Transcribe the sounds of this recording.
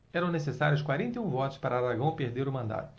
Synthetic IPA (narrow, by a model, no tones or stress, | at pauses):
ɛɾɐ̃w̃nesesaɾjʊskwaɾẽnt̪eũvɔt̪ʊ̥spaɾaːd̪ɾaɡɐ̃w̃peɾd̪eɾʊmɐ̃nd̪a̰t̪ʊ̥